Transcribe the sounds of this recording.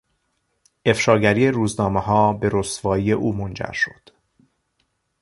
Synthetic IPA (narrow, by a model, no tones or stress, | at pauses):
ʔe̞fʃɒːɡæɾijeɾuːznɒːmehɒːbe̞ɾosvɒːije̞ʔuːmond͡ʒæ̰ɾʃo̥d̪̥